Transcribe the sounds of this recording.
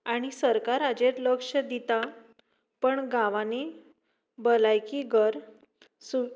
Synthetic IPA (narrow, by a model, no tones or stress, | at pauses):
aɽ̃isəɾkaɾad͡ʑeɾləkʂəd̪it̪a | pəɳɡãʋane | bəlajkiɡʱəɾ | su